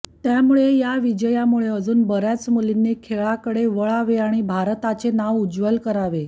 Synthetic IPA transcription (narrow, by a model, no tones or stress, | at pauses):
t̪jamuɭejaʋid͡ʑəjamuɭeəd͡zuːnbəɾjat͡smulinːekʰeɭakəɽeʋəɭaʋeaɽ̃ibʱaɾt̪at͡senaʋud͡zʋəlkəɾaʋe